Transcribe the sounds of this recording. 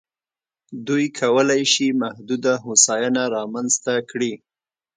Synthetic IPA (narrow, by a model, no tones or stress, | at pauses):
d̪ujkʰawəlajʃimahd̪ud̪aɦosɑjanaɾɑmanzt̪akɽi